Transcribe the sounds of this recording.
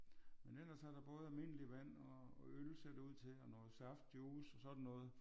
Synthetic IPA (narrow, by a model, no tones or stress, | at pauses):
menel̰ɐsæɐd̥ɑ̈b̥ɔ̽ːð̞̩ˠælme̝n̰əliʋæn̰ɒølse̝ɐd̥æuð̰ˠt͡sʰe̝lɒnɔːl̩ˠsɑfd̥̚d̥joːsɒsɒ̽d̥n̩ːɔːð̞̩ˠ